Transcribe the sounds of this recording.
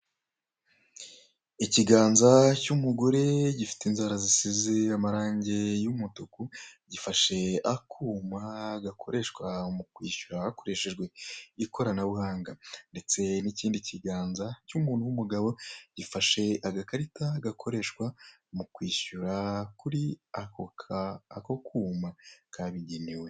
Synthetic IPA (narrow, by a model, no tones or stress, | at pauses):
iciɡaːnzacumuɡoɾe̞ɟifi̥teinzaːɾazisiziamaɾaːɲɟe̞jumutukuɟifaʃe̞akʰuːmaɡakʰo̞ɾʔe̞ʃkwamukwiːʃuɾahako̞ɾe̞ʃe̞ʒɡwe̞iko̞ɾanaβuhaːŋɡande̞t͡se̞niciːndiciɡaːnzacumuːnhuwumuɡaβo̞ɟ̥ifaʃe̞aɡakaɾitaɡakʰo̞ɾe̞ːʃkwa | mukwiːʃuɾakuɾiakokʰaːkokʰuːmakʰaβiɟeniwe̞